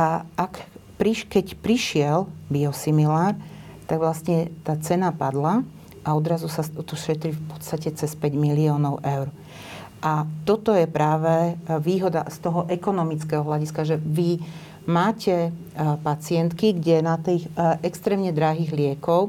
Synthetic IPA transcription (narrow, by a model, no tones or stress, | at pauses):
ʔakpɾiʃkɛcpɾiʃɪɛlbiɔsimilaːɾ | t̪aɡʋlast̪ɲɛt̪aːt͡sɛnapad̪la | ʔaɔd̪ɾazusaɔt̪ɔʃɛt̪ɾifpɔ̥t̪st̪acɛt͡sɛspɛɟmiliɔːnɔʊʔɛʊɾ | ʔat̪ɔt̪ɔjɛpɾaːʋɛʋiːɦɔd̪ast̪ɔɦɔʔɛkɔnɔmit͡skɛɦɔɦlaɟiskaʒɛʋi | maːcɛ | pat͡sɪɛnt̪kiɡɟɛnat̪iːxʔɛkst̪ɾɛːmɲɛd̪ɾaɦiːɣlɪɛkɔʊ